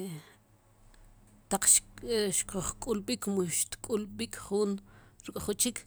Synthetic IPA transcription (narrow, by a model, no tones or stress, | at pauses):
t̪aq͡χʃʃkuχkʼulɓikmuʃt̪kʼulɓikʰʼχunɾukʼχut͡ʃikʰ